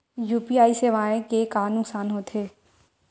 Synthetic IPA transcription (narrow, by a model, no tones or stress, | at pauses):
juːpiaːiseːʋaːẽkekaːnʊksaːnɦoːt̪ʰeː